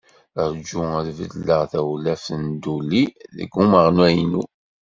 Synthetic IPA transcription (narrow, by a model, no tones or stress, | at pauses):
əɾd͡ʒuæðvə̰d̪lːəʁθæwlæfənd̪ulːiðə̰ɡːuməʁnæjnu